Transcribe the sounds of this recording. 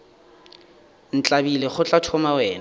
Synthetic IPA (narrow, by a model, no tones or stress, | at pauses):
n̩t͡ɬʼabileχʊt͡ɬʼatʰɔmawɛːna